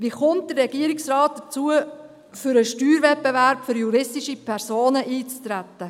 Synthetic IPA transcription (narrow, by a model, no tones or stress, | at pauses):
ʋiχʊnt̚d̥ərrɛɡ̥iəɾiksɾɑːt̚d̥ət͡suə | fʏɾəʃtyːɾvɛt̚bevæɾpfʏɾjuɾɪstiʃipʰɛɾsoːnəʔiːt͡st̪ɾæt̪ːə